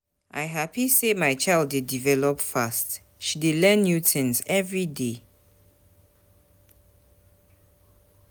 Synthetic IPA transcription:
ʔa̰ɪɦapisemaɪt͡ʃaɪldedivɛlɔpfast | ʃidelɛ̃nːjutɪ̃nsɛvɹide

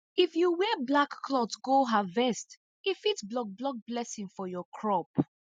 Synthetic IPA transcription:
ifjuwɛblakːlɔtɡoɦavɛst | ifitblɔk̚blɔk̚blɛsĩŋfɔjɔkʰɹɔp

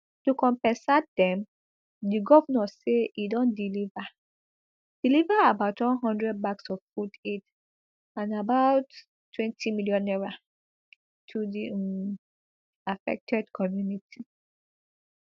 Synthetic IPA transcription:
tukɔ̃mpɛ̃nsat̚dɛ̃m | diɡɔvnɔseidɔ̃ndiliva | d̥ilivaabaʊtwɔ̃nɦɔ̃ndɹɛd̚baksɔv̥fudet | ãnabaʊtː | wɛ̃ntʰimiljɔ̃nɛɹa | tʰudi | afɛ̰k̚tʰɛdkʰɔmjunitʰi

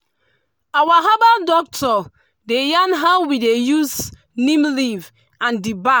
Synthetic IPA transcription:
awaɦabadɔk̚tʰɔ | dejanɦawwidejuz | nĩmliv | ãndiba

